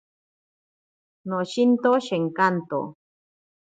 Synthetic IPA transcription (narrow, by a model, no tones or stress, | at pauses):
noʃint̪oʃeŋkant̪o̰